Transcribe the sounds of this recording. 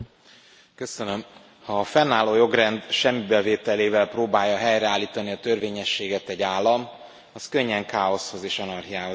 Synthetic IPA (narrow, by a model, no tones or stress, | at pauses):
kø̞sønø̞m | hɒːfɛnːaːloːjo̞ɡrɛnd̪ʃɛmːibɛveːt̪ɛleːvɛlproːbaːjːɒɦɛjrɛaːlːiːt̪ɒniɒt̪ø̞rveːɲɛʃːeːɡɛt̪ɛɟaːlːɒm | ɒskø̞ɲːɛŋkaːo̞sho̞zeːʃɒnɒrɦijaːɦoz